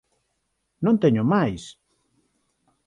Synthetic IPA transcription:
nõnt̪eɲʊmajs

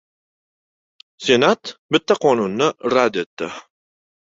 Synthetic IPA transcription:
se̞nat̪bɪt̪ːaqʰɒnʊnːɪɾad̪e̞t̪ːɪ

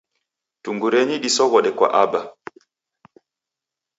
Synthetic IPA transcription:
tuŋɡuɾɛɲiɗisɔɣɔɗɛkwa̰ʔaba

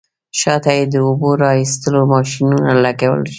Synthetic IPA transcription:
ʃɑt̪ajed̪əʊboɾɑist̪əlomɑʃinunalaɡawə̰lʃi

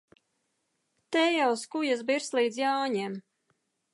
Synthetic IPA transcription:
t̪ɛjawskujas̬biɾslˠiːd̪zjaːwɲɛm

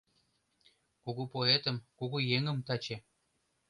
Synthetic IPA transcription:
kuɣupoet̪ə̆mkuɣujeŋə̆mt̪ɑt͡ɕe

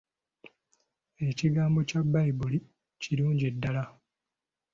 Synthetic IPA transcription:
e̞ciɡaːmbo̞cabːaibuli | ciluːɲɟedːala

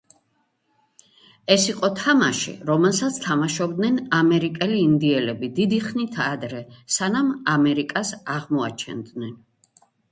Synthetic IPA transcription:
ɛsiqʼɔt̪ʰamaʃḭɾɔmɛlˠsat̪sʰt̪ʰamaʃɔbd̪nɛnamɛɾikʼɛliːnd̪iɛlɛbid̪id̪iχnit̪ʰad̪ɾɛsanamamɛɾikʼasaʁmɔa̰t͡ʃʰɛ̰nd̪nɛn

